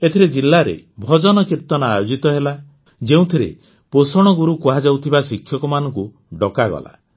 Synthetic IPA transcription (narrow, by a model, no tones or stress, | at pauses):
et̪ʰiɾed͡ʒilːaɾḛ | bʱɔd͡ʒɔnɔkiɾt̪ɔnɔajod͡ʒit̪ɔɦela | d͡ʒeũt̪ʰiɾḛ | posɔɽ̃ɔɡuɾukuɦad͡ʒawt̪ʰibasikʰːjɔkɔmanɔŋku | ɖɔkaɡɔ̰la̰